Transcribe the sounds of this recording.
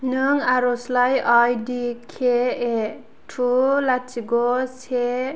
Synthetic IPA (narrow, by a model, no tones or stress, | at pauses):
nɯŋaɾɔslajajdikʰee | tʰulat͡ʃʰiɡɔse